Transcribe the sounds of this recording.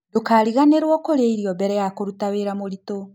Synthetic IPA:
dokaːɾiɣaneɾwɔkoɾeiɾiɔbɛɾɛjakoɾutaβeɾamoɾito

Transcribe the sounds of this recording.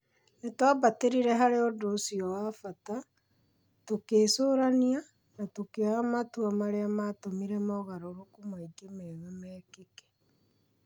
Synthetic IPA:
netwabateɾiɾɛɦaɾeɔdosiɔwafata | tokeːsoːɾania | natokeamatuamaɾeamatomiɾɛmɔɣaɾoɾokumaiɡemeɣemɛːkekɛ̥

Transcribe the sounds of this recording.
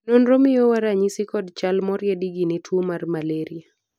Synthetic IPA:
nonɾomɪjowaɾaɲisikɔdt͡ʃalmɔɾjɛdiɡinɪtʰuomarmaleɾia

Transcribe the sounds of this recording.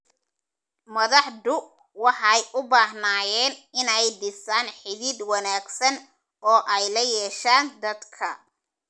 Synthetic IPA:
mɐðɑħd̪ʊ | wɑħɑjʔʊbaːɦnaːjɛːnɪnɛjd̪ɪsaːnħɪðiːd̪wɑnaːɡsɐn | ɔːʔɛjlɐjɛːʃaːnd̪ɐd̪kʰɐ

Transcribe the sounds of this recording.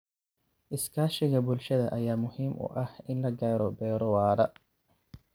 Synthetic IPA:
ʔɪskʰaːʃɪɣɐbʊlʃɐðɐʔɐjaːmʊhiːmʔʊ̰ʔɐhɪnlɐɡaːɾɔbɛːɾɔwaːɾɐ

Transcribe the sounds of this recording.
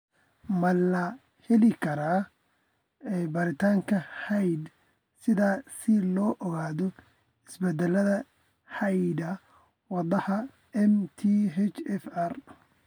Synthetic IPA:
mɐlɐ | hɛlɪkʰɐɾaː | ɛjbɐɾɪt̪ʰaːŋkʰɐhɛjd̪ | sɪðaːsɪlɔːʔɔɣaːðɔ | ɪsbɛd̪ɛlɐðɐ | hɐjd̪ɐ | wɑðɐhɐ | ɛmt̪ʰiɦɛt͡ʃɛfɐr

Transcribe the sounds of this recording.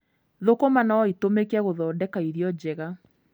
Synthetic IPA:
ðokomanaɔitomekɛɣoðɔːdɛkaiðjɔd͡ʑɛɣa

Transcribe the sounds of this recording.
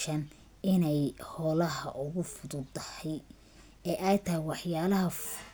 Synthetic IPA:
ʃɐn | ɪnɛjhɔːlɐɦɐʔʊɣʊfʊðʊd̪ɐhɛj | ɛːʔɛjt̪ʰɐɦɪwɑħjaːlɐɦɐ

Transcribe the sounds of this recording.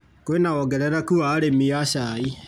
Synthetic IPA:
koenaɣɔɡɛɾɛɾakuaːɾemiaɕai

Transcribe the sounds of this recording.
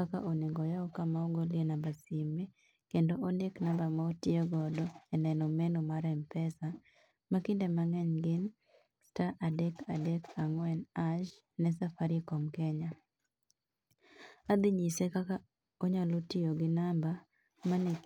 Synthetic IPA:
aka̰ʔoneŋɡɔjaɔkamaoɡolɪenambasime | kendoʔondeknambamaotɪeɡɔdɔɛnɛnɔmenomaɾɛmpɛsa | makɪndɛmaŋɛɲɡɪn | staʔadɛkadɛkaŋwɛnaʃ | nɛs̬afaɾɪkɔmkɛɲa | ad̪ɪɲisekaka | oɲɔlotɪoɡɪnamba | mane

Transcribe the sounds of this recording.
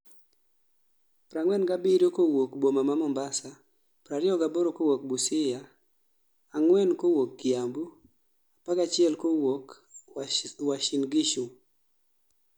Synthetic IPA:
pɾaŋwɛnɡabiɾjokowokbomamamɔmbasa | pɾaɾɪɔɡaboɾokowok̚busɪjaː | ŋwɛnkowokːiambu | apaɡat͡ʃɪɛlkowok | waʃɪnɡɪʃu

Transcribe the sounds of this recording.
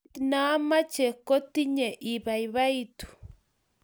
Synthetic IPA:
tinamat͡ʃekot̪iɲeʔiβaiβait̪u̥

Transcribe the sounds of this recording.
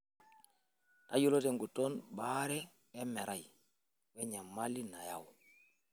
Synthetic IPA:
naɟuloteŋɡutonbaɾɛː | meɾʔaj | weɲamːalːinaja̰w

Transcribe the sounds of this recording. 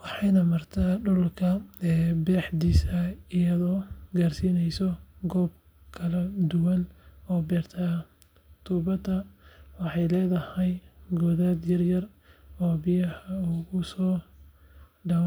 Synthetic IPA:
wɑħɑjnɐmɐrt̪ʰaːɖʊllkʰɐbɛːħd̪iːsɐɪjɐðɔːɡaːrsiːnɛjsɔɡɔːb̚ | kʰɐlɐd̪ʊwɐnɔːbɛːrt̪ʰaː | t̪ʰuːbɐd̪ɐwɑħɑjlɛːðɐhɛjɡɔːðaːd̪jɐrjɐr | ɔːbɪjɐhɐʊɣʊsɔː | ɖɐ

